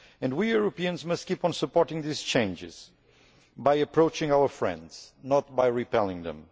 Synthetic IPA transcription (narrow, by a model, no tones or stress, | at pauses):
ɨ̃ndwijuɹɨpiɨ̃nzmʌstkipn̩sɨpɔɹtɪ̃ŋðiz̥t͡ʃẽnd͡ʒɪ̰z̥ | bajɨpɹoʊt͡ʃɪ̃ŋawə˞fɹɛ̰̃ndz̥nɔt̪̚bajɹipɛlˠɪ̃ŋðə̰̃m